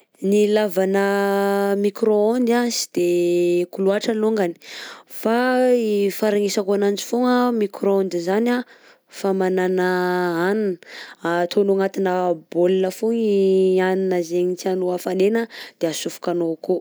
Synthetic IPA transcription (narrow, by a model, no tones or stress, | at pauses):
nilavanə | mikɾoond̪azi̥d̪̥ekuluaʈ͡ʂaloŋɡani̥faifaɾaŋisakoanand͡ʒi̥foŋəmikɾoond̪izana | famananəaninat̪ʰonoŋat̪inəbolinəfuɲianinəzeɲit͡sianoafanenəd̪̥easufu̥kanoko